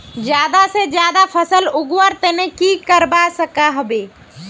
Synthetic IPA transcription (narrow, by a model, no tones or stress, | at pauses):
d͡ʒjaːd̪ased͡ʒjaːd̪apʰəsəlʊɡwəɾt̪eːnẽkiːkəɾbasəkaɦəbeː